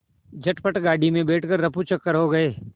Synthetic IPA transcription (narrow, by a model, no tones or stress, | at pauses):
d͡ʒɐʈpəʈɡaːɽimẽbɛːʈʰkɐɾːɐput͡ʃɐkːəɾɦoɡɐeː